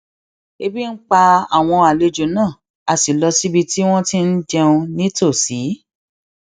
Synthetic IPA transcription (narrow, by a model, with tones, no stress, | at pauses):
e˧bi˦n̩˦k͡pa˧a˨w̃ɔ̃˧a˨le˧d͡ʒo˨˦nãː˦˨ | a˨si˨lɔ˧si˦bi˧ti˦w̃ɔ̃˦tĩ˦n̩˦d͡ʒɛ˧ũ˧nĩ˦to˦˨si˨˦